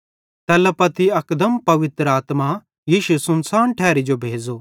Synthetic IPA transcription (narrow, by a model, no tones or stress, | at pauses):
t̪ɛːləpɐt̪ʰiɐkd̪əmpɐʋɪt̪ɾaːt̪ma | jiːʃusʊnsaːnʈʰɛːɾid͡ʒobʱeːd͡zoː